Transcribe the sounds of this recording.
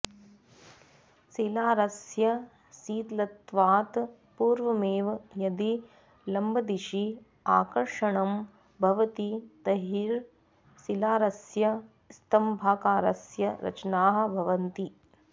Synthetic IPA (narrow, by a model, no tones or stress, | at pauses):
silaːɾɐsjɐ | siːt̪lɐt̪ʋaːt̪ | puːɾʋɐmeːʋjɐd̪i | lɐmbʱɐd̪iʃi | aːkɐɾʂɐɳɐm | bʱɐʋɐt̪it̪ɐɦiɾ | silaːɾɐsjɐ | st̪ɐmbʱaːkaːɾɐsjɐɾɐ̰t͡ʃɐnaːɦɐ̆bʱɐʋɐnt̪i